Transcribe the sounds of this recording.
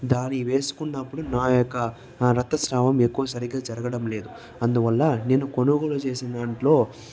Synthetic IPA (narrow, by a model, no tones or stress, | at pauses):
d̪aːnːiʋe̞ːsu̥kunːɐpːuɽunaːjokːɐ | ɾɐt̪ːɐsɾaːʋɐmekːuʋɐsɐɾiɡaːd͡ʒɐɾɐɡɐɽɐmle̞ːd̪u | ɐnd̪uʋɐlːɐne̞ːnːukonuɡolut͡ʃe̞ːsind̪ɐɳʈlo̞ː